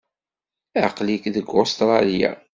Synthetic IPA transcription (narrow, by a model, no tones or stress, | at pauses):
æqlikðəɡːost̪ɾˤɑlja̰